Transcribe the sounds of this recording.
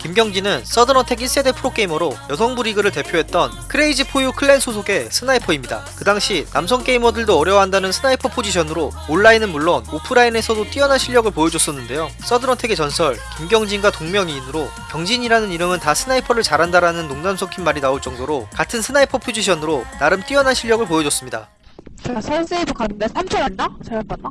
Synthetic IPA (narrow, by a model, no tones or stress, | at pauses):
kimɡjʌŋd͡ʑinɯns͈ʌdɯnʌtʰe̞ɡis͈e̞de̞pʰɯɾok͈e̞imʌɾojʌsʰʌŋbuɾiɡɯɾɯɭte̞pʰjoɦe̞t̚t͈ʌnkʰɯɾe̞id͡ʑipʰojukʰɯɭːe̞nsʰos̬ʰoɡe̞sʰɯnaipʰʌimɲida̰kɯdaŋɕʰinamsʰʌŋk͈e̞imʌdɯɭdoʌɾjʌwaɦandanɯnsʰɯnaipʰʌpʰod͡ʑiɕʰʌnɯɾooɭːainɯnmuɭːonopʰɯɾaine̞sʰʌdot͈iʌnɦanɕʰiʎjʌɡɯɭpojʌd͡ʑos͈ʌnːɯnde̞jo | s͈ʌdɯɾʌntʰe̞ɡe̞t͡ɕʌnsʰʌɭkiimɡjʌŋd͡ʑiŋɡwatoŋmjʌŋiːnɯɾo | kjʌŋd͡ʑʰiɲiɾanɯniɾɯmɯntasʰɯnaipʰʌɾɯɭt͡ɕaɾɦandaɾanɯnːoŋnamsʰokʰinmaɾinaoɭt͡ɕ͈ʌŋdoɾokatʰɯnsʰɯnaipʰʌpʰod͡ʑiɕʰʌnɯɾonaɾɯmt͈iʌnɦanɕʰiɭːjʌɡɯɭpojʌd͡ʑʌs͈ɯmɲida̰ | sʰʌs͈eibokanɯndeamʰʌandas